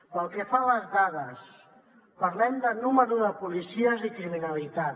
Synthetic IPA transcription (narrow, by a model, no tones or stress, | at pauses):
pəlˠkefaləzðaðəs | pəɾlɛmd̪ənuməɾuðəpulisiəzikɾiminəlit̪a